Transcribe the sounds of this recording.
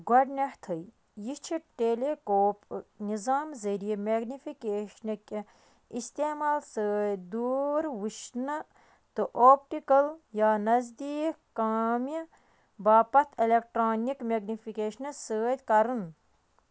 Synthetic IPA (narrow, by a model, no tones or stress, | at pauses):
ɡɐɖnʲeht̪ʰəj | jit͡ʃʰiʈeːleːkoːpnizaːmzɐɾijemeːɡnifikeːʃnɐkʲ | ist̪eːmaːlsəːd̪uːɾʋuʃnɨ | t̪ɨʔoːp̚ʈikɐljaːnɐzd̪iːkːaːmɐ | baːpɐt̪ʰilek̚ʈɾoːnikmeːɡnifikeːʃnɐsəːt̪ʲkɐɾɨn